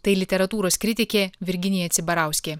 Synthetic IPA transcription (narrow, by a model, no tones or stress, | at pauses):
t̪ɐɪlʲɪt̪ʲɛɾɐt̪uːɾoːskɾʲɪt̪ʲɪkʲeːʋʲɪɾʲɡʲɪnʲiːjɛt̪sʲɪbɐɾɑˑʊsʲkʲeː